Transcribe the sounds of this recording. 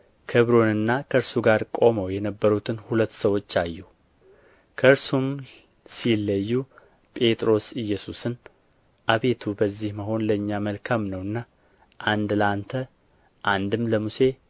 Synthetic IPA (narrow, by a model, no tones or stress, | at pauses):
kʰəβɾo̞nɨnːakʰəɨɾsuɡaɾkʼo̞məwjɛnəbːəɾut̪ʰɨnhulət̪ːsəwo̞t͡ʃːajːu | kʰəɨɾsum | silːəjːu | pʼe̞t̪ʼɾo̞sɨjːɛsusɨn | ʔaβe̞t̪ʰubəzːihməɦo̞nləɨɲːaməlkʰamnəwɨnːa | ʔand̪lant̪ʰə | ʔand̪ɨmləmuse̞